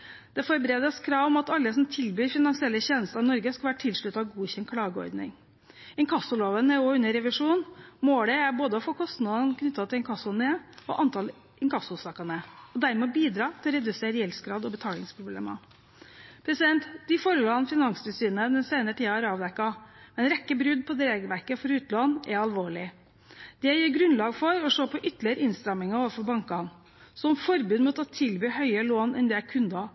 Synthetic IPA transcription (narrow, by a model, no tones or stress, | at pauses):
d̪̥ɛfɔɾbɾeːd̪ɑskʰɾɑːʋɔmɑt̪ɑlːəsɔmt̪ʰɪlbyːɾfɪnɑŋsɪɛlːəçeːnəst̪əɾɑnɔɾɡəskɑʋæːɾʈʰɪlʂɭʉt̪ːɑʋɡuːçɛnkʰɽɑːɡəɔ̰ɾd̪nɪ̰ŋ | ɛŋkʰɑsʊloːʋənəoʉnːəɾɛʋɪʂuːnmoːɖ̪ɛæɾboːd̪əɔfɔkʰɔst̪nɑd̪ɑnkʰnʏt̪ːɑt̪ʰɪlɛnkʰɑsʊneɔ̰ʔɑnt̪ʰɑl | ɪŋkɑsʊsɑkɑnəɔd̪æɾmɛɔbiːd̪ɾɑːt̪ʰɪlɔɾɛd̪ʉseːɾjɛlskɾɑːd̪ɔbət̪ʰɑːlɪŋspʰɾʊblḛːmɑ̰ | pʰɾɛsɪd̪ɛnt̪d̪ɪfoːɾəloːɑnfɪnɑŋst̪ʉsyːnəd̪ɛnseːnəəʈ̪ʰiːɑæɾɑːʋd̪ɛkːɑmɛnɾɛkːəbɾʉd̪pʰɔd̪ɾeːɡəʋæɾkəfɔɾʉːt̪lɑnɛɾɑlʋoːɭɪ | d̪̥ɛæjiːɾɡɾʉnlɑːɡfɔɾɔʂoːpʰɔʔʏt̪lɪəɾəɪnst̪ɾɑmːɪŋɑoːʋəfɔɾbɑŋkɑn | sɔmfɔɾbʉːd̪mɔt̪ːɔt̪ʰɪlbyːhœʏəloːnɛ̰nd̪ɛækʰʉnd̪ɑ